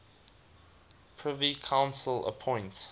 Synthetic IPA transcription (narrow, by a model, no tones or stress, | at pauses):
pʰɹ̥ɪvikʰãʊ̃nsələ̰pʰɔ̃ɪ̃nt